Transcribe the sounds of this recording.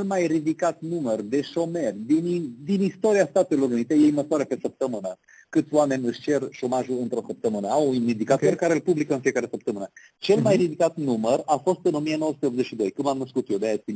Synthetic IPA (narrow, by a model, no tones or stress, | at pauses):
elmajrid̪ikat̪numərd̪e̞ʃo̞me̞rʲd̪inid̪inist̪o̞ɾiast̪at̪e̞lo̞ɾunit̪e̞jejməswaɾəpe̞səp̚t̪əmɨnə | kɨt̪sʲoame̞nʲɨʃʲt͡ʃe̞rʃo̞maʒulɨnt̪ɾo̞səp̚t̪əmɨnəawumid̪ikat̪orkaɾelpublikəɨnfiekaɾe̞səp̚t̪əmɨnə | t͡ʃe̞lmajrid̪ikat̪numərafo̞st̪ɨnomijenoəsut̪eopze̞t͡ʃʃid̪o̞jkɨmamnəskut̪jod̪eajasi